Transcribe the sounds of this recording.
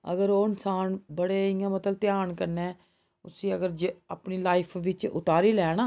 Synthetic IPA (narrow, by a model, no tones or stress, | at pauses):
ə̰ɡəɾoːɪnsaːnbəɽeːɪ̃ãːmət̪əlt̪ɪjaːɳkəɾneː | ʊsĩːəɡəɾd͡ʒaːpniːlaːɪpʰʋɪt͡ʃʊ̰t̪aːɾiːlɛːñãː